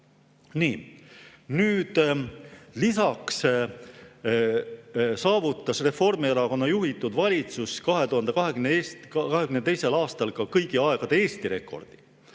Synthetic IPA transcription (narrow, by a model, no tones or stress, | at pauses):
niː | nyːd̪̥ | lisɑks | sɑːvut̪ˑːɑsre̞fo̞rmieɾɑko̞nːɑjuɦit̪ːˑud̪̥vɑlʲit̪suskɑɦe̞t̪uhɑnd̪e̞kɑɦeɡyneeːskɑɦe̞ɡymnet̪e̞jse̞lɑːst̪ɑlkɑkɤjɡ̥iɑe̞ɡ̥ɑd̪̥e̞eːst̪iɾe̞̰kːˑo̞̰rd̪̥i̥